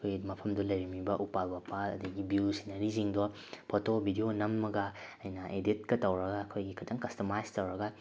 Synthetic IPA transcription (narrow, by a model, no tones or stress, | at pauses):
kʰojmɐpʰɐmdɔlɐjɾɐmibɐʔupalbapaɐ̰dɐɡibiwsinɐɾiziŋdo | pʰotobʱidionɐmːɐɡɐɐjnɐʔeditkɐtɐwɾɐɡaːkʰojɡikʰɐtʰɐŋkɐstomajstɐwɾɐɡɐ